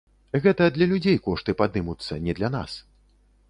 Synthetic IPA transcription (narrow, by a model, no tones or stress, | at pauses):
ɣɛt̪ɐd̪lʲɐlʲud͡zʲejkɔʂt̪ɨpad̪ɨmut̪sːɐnʲɛd̪lʲan̪a̰s